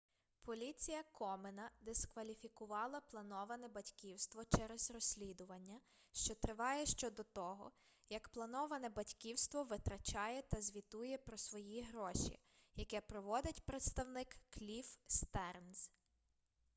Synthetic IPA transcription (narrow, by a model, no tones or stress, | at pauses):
pʰɔlʲit͡sʲijɐkʰɔmenɐd̪eskʋɐlʲifʲikʊʋɑlˠɐplˠɐnɔʋɐnɛbɐtʲkʲiwst̪ʋɔt͡ʃɛɾɛz̥rɔsʲlʲid̪ʊʋɐnʲːɐ | ʃt͡ʃɔt̪ɾɪʋɑjɛʃt͡ʃɔd̪ɔt̪ɔɦɔ̰ | jɐkplˠɐnɔʋɐnɛbɐtʲkʲiwst̪ʋɔʋɪt̪ɾɐt͡ʃɑjɛt̪ɐzʲʋʲit̪ujɛpɾɔsʋɔjiɦɾɔʃʲḭ | jɐkɛpɾɔʋɔd̪ɪtʲpɾet̪st̪ɐwnɪkːlʲifst̪ɛrnz